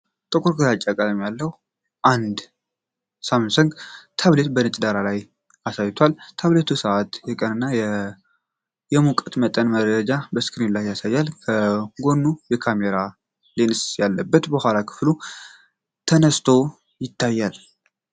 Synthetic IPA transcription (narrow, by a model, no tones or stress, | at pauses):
t̪ʼəkʼuɾkɨzat͡ʃʼːakʼalmjalːəh | ʔand̪ | samnsəŋɡt̪ʰaβlet̪bənɨt͡ʃʼd̪aɾalaj | asajt̪ʰwalt̪ʰaβlet̪ʰusəʔat̪jɛkʼənɨnːajɛ | jɛmukʼət̪mət̪ʼənməɾɾəd͡ʒabəskʰnelajasajːalkʰəɡo̞nːujɛkʰameɾa | lensjalːəbːət̪bəhʷalakʰɨ̥flu | t̪ʰənəst̪ʰo̞ | jɪt̪ːajːal